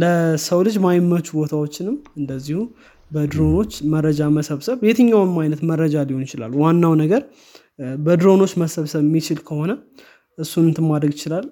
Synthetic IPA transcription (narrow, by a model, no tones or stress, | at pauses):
ləsəwlɨd͡ʒmajmːət͡ʃːubo̞t̪ʰawot͡ʃːɪnɨmɨnd̪əzːihu | bəd̪ɾo̞no̞t͡ʃːməɾəd͡ʒaməsəβsəβbe̞t̪ʰəɲːawnmajnət̪mərːəd͡ʒalihonjɪt͡ʃɪla̰lːuwanːawnəɡəɾ | bəd̪ɾo̞no̞t͡ʃːməsəβsəβmːit͡ʃɪlkʰəho̞nə | ʔɨsːunɨnt̪ʰɨmːad̪ɾəɡɪt͡ʃɪlal